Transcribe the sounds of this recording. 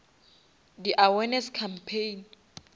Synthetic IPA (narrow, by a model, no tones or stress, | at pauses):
diʔawɛnɛskʰampʰejn